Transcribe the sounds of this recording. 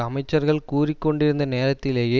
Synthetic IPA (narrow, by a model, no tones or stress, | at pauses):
ɐmɐɪt͡ʃːɐɾɣɐɭkuːrɪkːɔɳɖɪɾɯnd̪ɐneːɾɐt̪ːɪleːjeː